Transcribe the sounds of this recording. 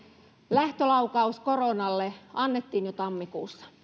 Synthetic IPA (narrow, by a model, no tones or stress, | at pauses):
læht̪ølɑukɑuskoronɑlːeɑnːet̪ːiːnjot̪ɑmːikuːsːɑ̥